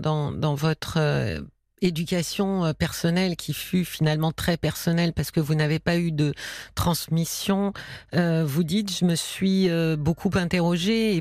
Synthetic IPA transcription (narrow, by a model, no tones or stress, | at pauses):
d̪ɑ̃d̪ɑ̃vɔt̪χø̰ | ed̪ykʲasjɔ̃øpɛʁsɔnɛlkʲʰifyfinalmɑ̃t̪χɛpɛʁsɔnɛlpaʁsə̥kəvunavepayd̪ət̪χɑ̃smisjɔ̃øvud̪it̪ʒəməsɥiøbokʰupɛ̃t̪eʁɔʒeː